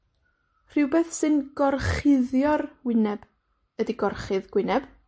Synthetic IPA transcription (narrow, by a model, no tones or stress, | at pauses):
r̥ɨwbeːθsɨnɡ̥ɔrχɪðjɔrwɪnɛb̥ | ədiɡɔrχɨðɡwɪnɛb̥